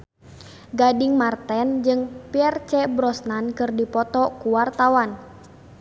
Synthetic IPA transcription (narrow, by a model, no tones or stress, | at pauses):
ɡadɪŋmart̪ɛnd͡ʒɨŋpiɛrt͡ʃɛbɾɔsnankɨrdipɔt̪ɔkuwart̪awan